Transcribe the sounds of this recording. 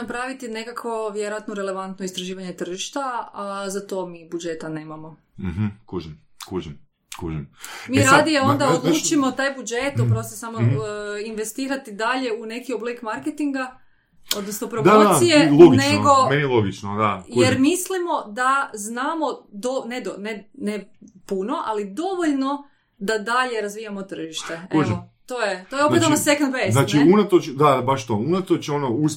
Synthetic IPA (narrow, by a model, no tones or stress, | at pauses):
napɾaʋit̪ine̞kakʋo̞ʋjeɾojat̪noɾeleʋant̪noist̪ɾaʒiːʋaɲe̞t̪r̩ʒiʃt̪azat̪o̞ːmiːbud͡ʒe̞t̪ane̞ːmamo̞ | ɦ̩kuʒim | kuʒim | kuʒimmiɾad̪ijao̞nd̪aod̪luːt͡ʃimo̞t̪aːjbud͡ʒet̪opɾost̪osamoinʋe̞st̪iːɾat̪id̪aʎe̞une̞kioblekmaɾket̪iŋɡa | o̞d̪nosno̞pɾod̪oijeloɡineɡo̞menijeloɡit͡ʃnod̪ajeɾmislimo̞d̪aznaːmo̞d̪oned̪onenepuno̞ʔalid̪o̞ʋoʎno̞ | d̪ad̪aʎe̞ɾazʋijamot̪r̩ʒiʃt̪eeot̪o̞jet̪ojeo̞peonosekond̪pejznat͡ʃiunat̪ot͡ʃd̪abaʃt̪ounat̪ot͡ʃeonous